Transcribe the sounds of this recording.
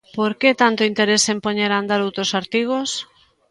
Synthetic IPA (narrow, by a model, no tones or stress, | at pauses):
poɾket̪ant̪oint̪eɾesempoɲeɾand̪aɾowt̪ɾosaɾt̪iɣ̞os